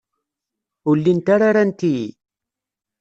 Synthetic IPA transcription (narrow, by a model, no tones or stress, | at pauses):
ulːint̪aɾaɾant̪i